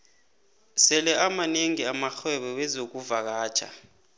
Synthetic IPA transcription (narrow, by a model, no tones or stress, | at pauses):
sɛlɛʔamaneŋiamaxɛɓɛwɛzok̬uvak̬ḁːt͡ʃʰa̰